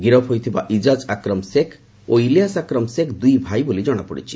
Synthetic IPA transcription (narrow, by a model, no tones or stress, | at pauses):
ɡiɾɔpɦojt̪ʰibaʔid͡ʒad͡ʒakɾɔmsekʰ | oilijasakɾɔmsekd̪ujbʱajbolid͡ʒɔɽ̃apɔɽḭt͡ʃʰi̥